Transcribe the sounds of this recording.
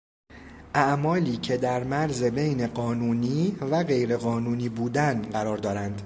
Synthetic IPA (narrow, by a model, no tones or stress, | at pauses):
ʔæʔmɒːliːcʰe̞d̪æɾmæɾzebe̞jneɢɒːnuːniːvæɣe̞jɾe̞ɣɒːnuːniːbuːd̪ænɢæɾɒːɾd̪ɒːɾænd̪̥